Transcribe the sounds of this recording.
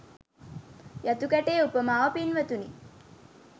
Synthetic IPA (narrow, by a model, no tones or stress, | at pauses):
jat̪ukæʈeːupəmaːʋəpinʋət̪uni